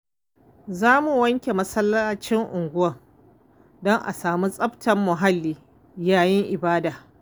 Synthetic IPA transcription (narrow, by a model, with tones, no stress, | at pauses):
zaː˦mu˨wɐ˦ŋkʲe˨mɐ˦sɐ˦lːa˦t͡ʃɪ˦ŋʔʊ˨ŋɡʷʊ˦wɐ˨ŋ | dɔ˦ŋʔa̰˨saː˨mu˦sʼɐ˦btʰɐ˨mːʊ˨ɦa˦lːiː˨ | jaː˨jɪ˦ŋʔɪ˨baː˦daː˨